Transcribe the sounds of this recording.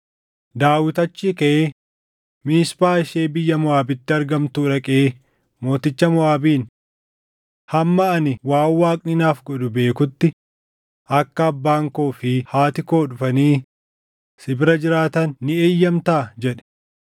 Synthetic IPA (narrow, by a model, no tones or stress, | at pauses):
d̪aːwɪt̪ɐt͡ʃːiːkɐeː | miːspaːɪʃeːbɪjːɐmʊaːbɪt̪ːɪɐɾɡɐmt̪uːɾɐkʼeː | mo̞ːt̪ɪt͡ʃːɐmʊaːbiːn | hɐmːɐɐnɪwaːwːaːkʼnɪnaːfɡɔᶑʊbe̞ːkʊt̪ːɪ | ʔɐkːɐːbːaːŋkoːfɪhaːt̪ɪko̞ːᶑʊfɐniː | sɪbɾɐd͡ʒɪɾaːt̪ɐnːɪeːjːɐmt̪aːd͡ʒɛᶑɛ̥